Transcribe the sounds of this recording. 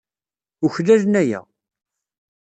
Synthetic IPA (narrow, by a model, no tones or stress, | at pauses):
uçðæʒnæjæ̰